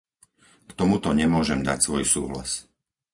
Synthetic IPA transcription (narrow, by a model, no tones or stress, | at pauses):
kt̪ɔmut̪ɔɲɛmʊɔʒɛmd̪a̰csʋɔjsṵːɦla̰s